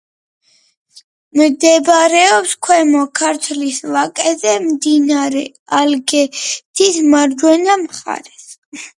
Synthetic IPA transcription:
md̪ɛbaɾɛɔpskʰwɛmɔkʰaɾt̪ʰwlisvakʼɛzɛmd̪inaɾɛ | alɡɛt̪ʰismaɾd͡ʒwɛnamχa̰ɾɛs

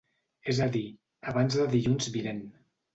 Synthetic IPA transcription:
ezəði | əβanzðəðiʎunzβilen

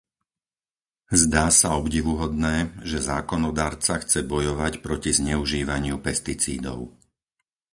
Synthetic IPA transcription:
zd̪aːsaɔbɟiʋuɦɔd̪nɛːʒɛzaːkɔnɔd̪aːɾt͡saxt͡sɛbɔjɔʋacpɾɔcizɲɛuʒiːʋaɲɪupɛst̪it͡siːd̪ɔ̰ʊ

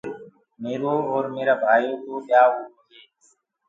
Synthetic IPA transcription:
meːɾoːɔːɾmeːɾaːbʱaːjoːt̪oːɓjaːɦoːoeː

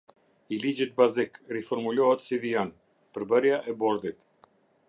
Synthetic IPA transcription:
ilid͡ʒit̪̚bazikrifɔɾmulɔɦɛt̪sivijan | pəɾbəɾjaʔɛbɔɾd̪it̪

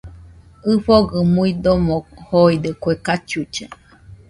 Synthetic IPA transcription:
ɨɸoɡɯmuid̪omohoid̪ekʷekat͡ʃut͡ʃa

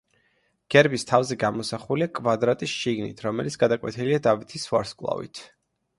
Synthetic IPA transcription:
ɡ̥ɛɾbist̪ʰavzɛɡamɔsaχuliakʼvad̪ɾat̪ʼisʃiɡnḭt̪ʰɾɔmɛlit̪sʰɡad̪akʼwɛ̰t̪ʰiliad̪avit̪ʰiswa̰ɾskʼlˠa̰vḭt̪ʰ

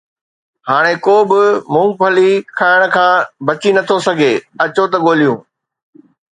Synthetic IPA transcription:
haːɽ̃ekoːbɪmũːpʰɐlikʰaːɪɽ̃ʊ̆kʰãːbɐt͡ɕinɐt̪ʰosɐɡʱeːɐt͡ɕot̪ɐɠoːlijũː

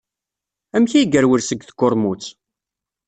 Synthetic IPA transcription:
æmçæjɡəɾwəɾsəɡθkːʊɾˤmut͡sː

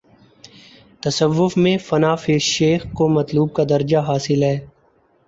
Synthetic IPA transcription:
t̪ɐsəʋːʊfmẽfɐnaːfeːʃeːxkomɐt̪luːb̚kad̪ɐɾd͡ʒaɦaːsɪlɦɛː

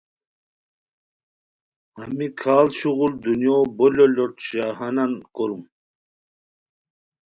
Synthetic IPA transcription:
hamikʰaːlɕuɣuld̪unjoːbololoʈɕaɦanankoɾum

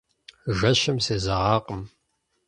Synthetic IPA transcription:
ʒɐɕɐmseːzɐʁɑːqʼəm

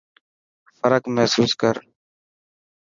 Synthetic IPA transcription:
fəɾəkmɛɦsuːskəɾ

